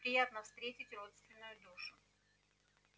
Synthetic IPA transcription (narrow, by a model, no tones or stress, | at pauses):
pɾʲɪjat̪nəfst̪ɾʲetʲɪtʲro̞t̪st̪vʲɪnːʊjʊd̪uʂʊ